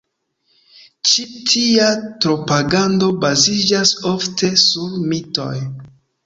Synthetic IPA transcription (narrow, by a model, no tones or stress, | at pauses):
t͡ʃitʰiatɾo̞paɡando̞bazid͡ʒaso̞ftʰe̞suɾmito̞̰j